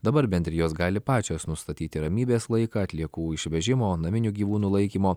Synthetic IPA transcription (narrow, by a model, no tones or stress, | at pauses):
d̪ɐbɐɾbʲɛnʲt̪ʲɾʲɪjoːsɡɑːlʲɪpɑːt͡ʃʲoːsnʊst̪ɐt̪ʲiːt̪ʲɪɾɐmʲiːbʲeːslˠɐɪkɑɐt̪ʲlʲiɛkuːɪʃʲʋʲɛʒʲɪmoːnɐmʲɪnʲuːɡʲiːʋuːnuːlˠɐɪkʲiːmoː